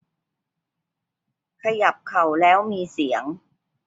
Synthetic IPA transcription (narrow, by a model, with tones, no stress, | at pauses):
kʰa˧ja˨˩p̚kʰa˨˩wlɛː˦˥wmiː˧si˩˦əŋ